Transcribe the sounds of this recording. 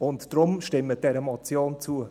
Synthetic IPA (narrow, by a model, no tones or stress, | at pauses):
ʊntd̥rʊmʃtɪməd̥ɛɾəmɔt͡sjoːnt͡suə